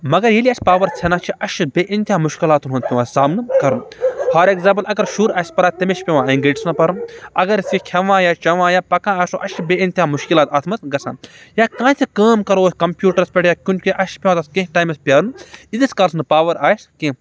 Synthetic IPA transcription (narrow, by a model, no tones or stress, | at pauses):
mɐɡɐɾjeliɐsʲpaːʋɐɾt͡sʰenãːt͡ʃʰiʔɐʃbʲeːʔint̪ʲiãːmuʃkilaːt̪unɦunp̪ʲiʋãːsaːmnɨkɐɾunhaːɾeɡzãːmpɐlɐɡɐɾʃuːɾaːsʲpɐɾaːt̪ɐmʲeʃpʲeʋãːɐŋɡeːʈisnɐpɐɾunɐɡɐɾsikʲʰɐʋãːjaːt͡ʃɐʋãːjaːpɐkãːaːsoːʔɐʃbeːint̪ʲãːmuʃkilaːt̪aːt̪ʰmɐt̪ɡɐsʰã̰ːnjaːkãːt͡s̪ʰikɐːmkɐɾooːsʲkɐmpʲjuːʈɐɾspʲeʈjaːkʲunʲkʲiʔɐʃpʲeʋãːt̪ɐskɐ̃ɦʈaːjmɐspʲjaːɾunid̪iskɐlsnɨpaːʋɐɾaːski